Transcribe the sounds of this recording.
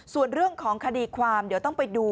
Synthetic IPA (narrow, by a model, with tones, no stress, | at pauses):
su˨˩ənɾɯ˥˩əŋkʰɔː˩˦ŋkʰa˧diː˧kʰwaː˧mdiː˨˦ət̪ɔ˥˩ŋpa˧jduː˧